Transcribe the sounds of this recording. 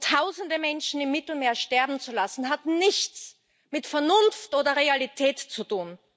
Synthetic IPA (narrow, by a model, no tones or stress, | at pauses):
tʰaʊzn̩dəmɛnʃn̩ɪmːɪtl̩meːɐʃtɛɐbm̩t͡sulasn̩ɦatnɪçt͡s | mɪtfɛɐnʊnftʔoːdɐʁealitʰɛːtt͡sutuːn